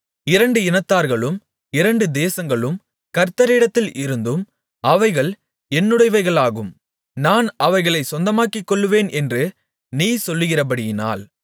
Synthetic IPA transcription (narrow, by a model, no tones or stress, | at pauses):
ɪɾɐɳɖɯɪnɐt̪ːaːɾɣɐɭɯm | ɪɾɐɳɖɯd̪eːsɐŋɡɐɭɯm | kɐɾt̪ːɐɾɪɽɐt̪ːɪlʔɪɾɯnd̪ɯm | ɐʋɐɪɣɐɭ | ɛnːɯɽɐɪʋɐɪɣɐɭaːɣɯm | naːnɐʋɐɪɣɐɭɐɪsɔnd̪ɐmaːkːɪkːɔɭːɯʋeːnʔɛndrɯ | niːsɔlːɯɣɪrɐp̬ɐɽɪjɪna̰ːl